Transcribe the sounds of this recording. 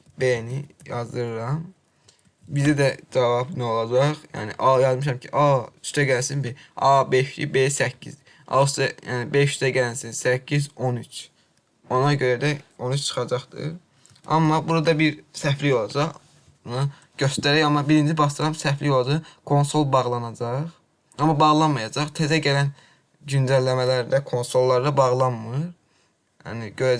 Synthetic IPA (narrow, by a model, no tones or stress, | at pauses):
benijɑzd̪ɯɾɯɾɑm | bizæd̪æd͡ʒɑvɑbnio̞lˠɑd͡ʒɑχjæ̰ːnḭʔɑjɑzmɯʃ̬ɑmcʰiʔɑy̥ʃt̪ʰæɟælsinbeɑbeʃḭbesæcʰːḭz | ɑ̰st̪ɛjæ̰ːnibeʃyʃt̪ʰæɟælænsinsæcʰːizo̞nyt͡ʃʰ | o̞nɑɟøɾæd̪æo̞nyt͡ʃt͡ʃʰɯ̥χɑd͡ʒɑχd̪ɯ̰ɾ | ɑ̰mːɑbuɾɑd̪ɑbiɾsæflijo̞lˠɑd͡ʒɑʁ | nɯ | ɟ̥ø̞st̪æɾæjɑmɑbiɾind͡ʒʰibɑʃɑɾɑmsæflijolˠɑd͡ʒɑʁkʰo̞nso̞lˠbɑʁlˠɑnɑd͡ʒɑʁ | ɑmːɑbɑʁlˠɑnmɑjɑd͡ʒɑχt̪ʰezæɟælæn | ɟynd͡ʒ̪ælːæmælæɾd̪ækʰo̞nso̞lˠːɑɾd̪ɑbɑʁlˠɑnmɯɾ | jæ̰niɟøɾæ